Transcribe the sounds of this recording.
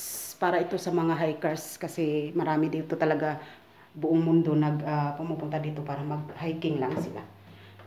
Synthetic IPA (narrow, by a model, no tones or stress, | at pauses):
paːɾaʔɪt̪o̞sɐmɐŋaɦajkɛɹskɐsɛmɐɾaːmɪd̪iːt̪ot̪ɐlɐɡa | bʊʔoŋmʊnd̪onɐɡapʊmupʊnt̪ad̪iːt̪opaːɾɐmɐɡ̚hajkɪŋlaŋsɪla̰